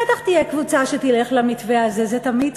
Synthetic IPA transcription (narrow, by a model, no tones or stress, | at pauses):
et̪aχt̪ijekvut͡saʃet̪ile̞χlamit̪veazezet̪amid̪